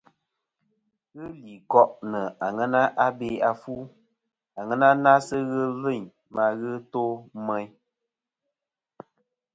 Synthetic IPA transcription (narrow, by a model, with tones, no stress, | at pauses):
ɣɨ˦li˨kɔ˦ʔnə˨a˨ŋɛ˦na˦ʔa˦be˦a˨fu˦ | a˨ŋɛ˦na˦na˦sɨ˦ɣɨ˦lɨ˦˨ɲ | ma˧˨ɣɨ˦to˦mɛ˦ɲ